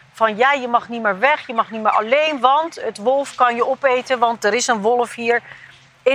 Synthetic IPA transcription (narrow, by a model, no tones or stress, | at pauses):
v̥ɑnjaːjəmɑχnimɪːɹʋɛχjəmɑχnimɪːɹʔɑ̰lejnʋɑntətʋɔlˠfkɑnjəɔpejtənʋɑntdəɾɪsənʋɔlˠfɦiːɹ | ɪ